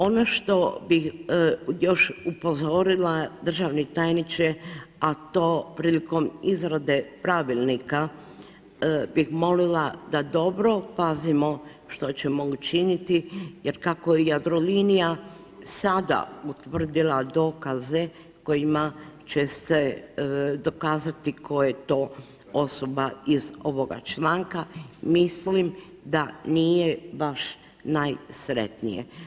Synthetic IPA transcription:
o̞noʃt̪o̞bix | jo̞ʃupo̞zo̞ɾilad̪r̩ʒaʋnit̪ajnit͡ʃeat̪o̞ːpɾiliko̞mizɾad̪e̞pɾaʋilˠnika | bixmo̞lilad̪ad̪o̞bɾo̞pazimo̞ | ʃt̪o̞t͡ɕemout͡ʃinit̪ijeɾkakojejad̪ɾolinija | sad̪a̰ut̪ʋr̩d̪ilˠad̪o̞ːkaze̞ | ko̞jimat͡ʃest̪e | d̪o̞kaːzat̪ikʰo̞jet̪o̞ː | osobaizo̞ʋo̞ɡa̰t͡ʃlaŋkamislim | d̪anijebaʃ | najsɾḛt̪nḭjḛ

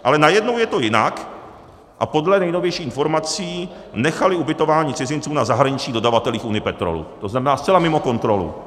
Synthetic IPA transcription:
ʔalɛnajɛdno̞wjɛt̪o̞jɪna̰k | ʔa̰po̞dlɛnɛjno̞vjɛjʃiːxɪnfo̞ɾmat͡siː | nɛxalɪubɪt̪o̞vaːɲiːt͡sɪzɪnt͡suːnazaɦɾaɲɪt͡ʃɲiːdo̞davat̪ɛliːxunɪjɪpɛt̪ɾo̰lṵt̪oznamɛnaːst̪t͡sɛlamɪmo̞ko̞nt̪ɾo̞lṵ

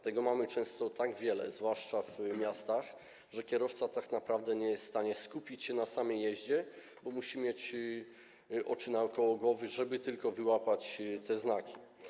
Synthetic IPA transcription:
t̪ɛɡɔmamɘt͡ʂɛ̃w̃st̪ɔt̪aɡvʲjɛlɛ̰zvwaʂt͡ʂavmʲjast̪ax | ʐɛkʲjɛɾɔft̪sat̪aknapɾavd̪ɛɲɛjɛst̪st̪aɲɛskupʲit͡ɕɕɛnasamɛjɛʑd͡ʑɛ | bɔmuɕimjɛt͡ɕ | ʔɔt͡ʂɘnaɔkɔwɔɡwɔvɘʐɛbɘt̪ɘlkɔvɘwapat͡ɕt̪ɛznakʲi̥

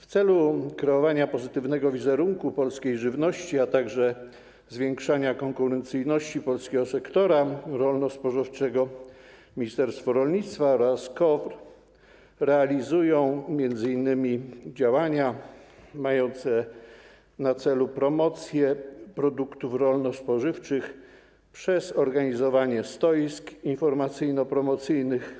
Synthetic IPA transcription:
ft̪sɛlukɾɛɔvaɲapɔzɘt̪ɘvnɛɡɔvʲizɛɾuŋkupɔlskʲejʐɘvnɔɕt͡ɕiat̪aɡʐɛ | zvʲjɛŋkʂaɲakɔŋkuɾɛnt̪sɘjnɔɕt͡ɕipɔlskʲɛɡɔsɛkt̪ɔɾaɾɔlnɔspɔʐɔft͡ʂɛɡɔmʲiɲist̪ɛɾst̪fɔɾɔlɲit̪st̪faɔɾaskɔvɾ | ɾɛalʲizujɔ̃w̃mʲjɛnd̪zɘinːɘmʲid͡ʑawaɲa | majɔnt̪sɛ | nat̪sɛlupɾɔmɔt̪sʲjɛpɾɔd̪ukt̪ufɾɔlnɔspɔʐɘft͡ʂɘx | pʂɛzɔɾɡaɲizɔvaɲɛst̪ɔjiskinfɔɾmat̪sɘjnɔpɾɔmɔt̪sɘjnɘx

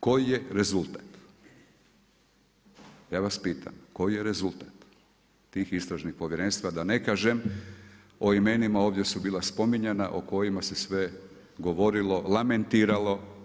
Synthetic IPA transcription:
ko̞jije̞ɾe̞zult̪ḁt̪ | jaːʋaspiːt̪ʰa̰mko̞jijeɾe̞zulˠt̪ḁt̪ː | iːxist̪ɾaʒnixpo̞ʋjeɾenst̪ʋad̪ane̞kaːʒem | o̞ime̞nimao̞ːʋd̪ʲjesubiːlˠaspo̞miɲena̰ʔoko̞jimase̞sʋe̞ | ɡo̞ʋo̞ɾilo̞lˠame̞nt̪iːɾalo̞

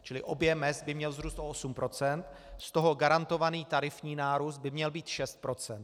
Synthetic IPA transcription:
t͡ʃɪlɪʔo̞bjɛmɛzbɪmɲɛlzɾuːst̪ʔoʔosumpɾo̞t͡sɛnt̪ | st̪o̞ɦo̞ɡaɾant̪o̞vaniːt̪aɾɪfɲiːnaːɾusd̪̚bɪmɲɛlbiːt̪ʃɛst̪̚pɾo̞t͡sɛnt̪

